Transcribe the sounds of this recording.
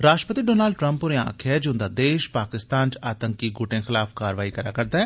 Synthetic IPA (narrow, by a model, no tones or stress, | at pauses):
ɾaːʃʈɾəpət̪iːɖoːnaːlɖʈɾə̃mpʊɾẽã̰ːkʰɛːd͡ʒoʊnd̪aːd̪eːʃpaːkɪst̪aːnt͡ʃaːt̪əŋkiɡʊʈẽːxɪlaːfkaːɾʋaːiːkəɾaːkəɾd̪aːɛː